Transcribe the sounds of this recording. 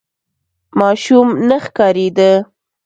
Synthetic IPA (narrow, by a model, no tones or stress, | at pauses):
mɑʃumnəxkɑɾed̪ə